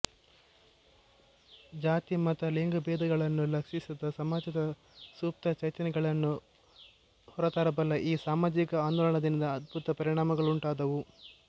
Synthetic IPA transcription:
d͡ʒaːt̪imɐt̪ɐliŋɡɐbɛːd̪ɐɡɐɭɐnːulɐkʂisid̪ɐsɐmaːd͡ʒɐd̪ɐ | suːp̚t̪ɐt͡ʃɐjt̪ɐnɛɡɐɭɐnːu | hɔɾɐt̪aːɾɐbɐlːɐʔiːsaːmaːd͡ʒikɐaːnd̪ɔːlɐɳɐd̪inɐd̪ɐːd̪̚bʱut̪ɐpɐɾiɳaːmɐɡɐɭuɳʈaːd̪ɐʋu

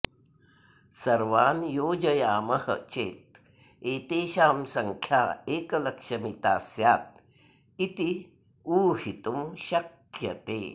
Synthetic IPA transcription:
sɐɾʋaːnjoːd͡ʒɐjaːmɐhɐ̰t͡ʃeːt̪̚ | eːt̪eːʃaːmsɐŋkʰjaːeːkɐlɐkʂɐmit̪aːsjaːt̪̚ | it̪i | uːɦit̪umʃɐk | jɐt̪ḛː

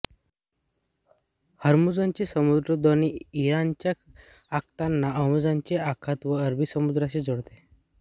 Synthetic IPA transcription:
həɾmud͡zaɲt͡ɕisəmud̪ɾəd̪oniiɾant͡ɕja | ak̚t̪anːaəmud͡zaɲt͡ɕeakʰat̪ʋəəɾbisəmud̪ɾaɕed͡zoɽt̪e

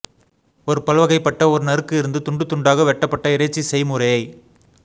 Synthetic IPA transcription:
ɔɾɯpɐlʋɐɣɐɪpːɐʈːɐɔɾɯnɐɾɯkːɯɪɾɯnd̪ɯt̪ʊɳɖɯt̪ːʊɳɖaːɣɐʋɛʈːɐpːɐʈːɐɪɾɐɪt͡ʃːisɛɪmɯɾɐjɐɪ

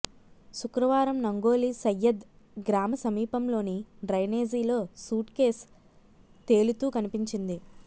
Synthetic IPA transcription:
ʃukɾɐʋaːɾɐmnɐŋɡo̞ːlisɐjːɐd̪ | ɡɾaːmɐsɐmiːpɐmlo̞ːniɖɾɐjneːd͡ʒiːlo̞ːsuːʈke̞ːs | t̪e̞ːlut̪uːkɐnipiɲt͡ʃind̪i

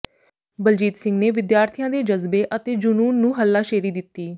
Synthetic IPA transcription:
bəld͡ʒiːt̪sɪŋɡneːʋɪd̪jaːɾt̪ʰijãːd̪eːd͡ʒəzbeːʔət̪eːd͡ʒʊnuːnːũːɦəlːaːʃeːɾiːd̪ɪt̪ːiː

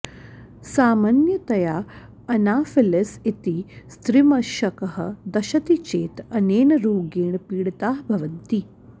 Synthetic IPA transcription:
saːmaːnjɐt̪ɐjaː | ɐnaːfilɐsit̪ist̪ɾimɐʃɐkɐɦɐ̰̆d̪ɐʃɐt̪it͡ʃeːt̪ɐneːnɐɾoːɡeːɳpiːɽt̪aːɦbʱɐʋɐnt̪i

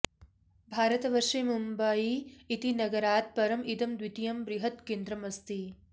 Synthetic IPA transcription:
bʱaːɾɐt̪ɐʋɐɾʂimumbɐiit̪inɐɡɐɾaːt̪̚pɐɾɐmid̪ɐmd̪ʋit̪ijɐmbɾiɦɐt̪keːnd̪ɾɐmɐst̪i

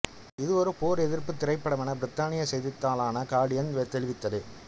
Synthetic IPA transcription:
ɪðɯɔɾɯpoːɾɛðɪɾpɯt̪ːɪɾɐɪpːɐɽɐʋɐnɐbɪɾɪt̪ːaːnɪjɐsɛjðɪt̪ːaːlaːnɐkaːɽɪjɐnʋɛt̪ɛlɪʋɪt̪ːɐðɯ

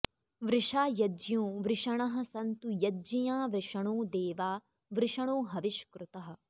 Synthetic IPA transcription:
ʋɾɪʂaːjɐd͡ʒjũːʋɾɪʂɐɳ̃ɐɦɐ̆sɐnt̪ujɐd͡ʒijaːʋɾɪʂɐɳ̃uːd̪eːʋaː | ʋɾɪʂɐɳ̃oːɦɐʋiʃkɾut̪ɐɦɐ̆

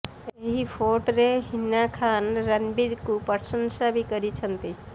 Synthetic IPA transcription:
eɦipʰoːʈɾeɦɪnːakʰaːnɾənbiɾkupəɾsə̃nsabʱikəɾit͡ʃʰənt̪i

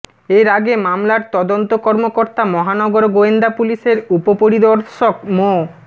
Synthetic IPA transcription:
eɾaɡemamlaɾt̪ɔd̪ont̪okɔɾmokoɾt̪amɔɦanɔɡoɾɡoend̪apuliʃeɾupopoɾid̪ɔɾʃok̚mo

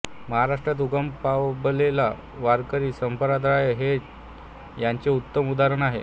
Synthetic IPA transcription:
məɦaɾaʂʈɾat̪̬uɡəmpablela | ʋaɾkəɾiːsəmpəɾad̪ʱɾajɦe | jaɲt͡seut̪ːəmud̪aɾəɳaɦḛ

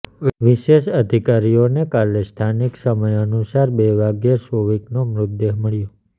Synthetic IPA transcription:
ʋiʃeʃəd̪ʱikaɾijonekalest̪ʰaniksəməjənusaɾbeʋaɡjəsoʋiknomɾʊd̪ːeɦməɭjo

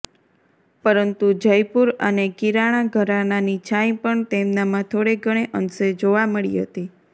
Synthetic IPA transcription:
pəɾənt̪ud͡ʒəjpuɾə̰nekiɾaɽ̃aɡʱəɾananit͡ʃʰaĩpəɳt̪emnamãt̪ʰoɽeɡʱəɽ̃eʔənsed͡ʒoʋaməɭḭɦə̰t̪i

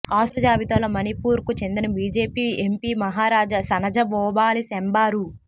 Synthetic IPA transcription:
aːsɐd͡ʒaːbit̪ɐlɐmɐnipuːɾkut͡ʃe̞nd̪inɐbiːd͡ʒeːpiːempiːmɐɦaːɾaːd͡ʒɐsɐnɐd͡ʒɐbɔːbaːlisembaːɾu

